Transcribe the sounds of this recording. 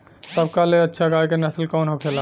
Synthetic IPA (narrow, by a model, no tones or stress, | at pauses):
səb̚kaleɐtːʃʰaɡaːjkenɐslkɔːnɦokʰela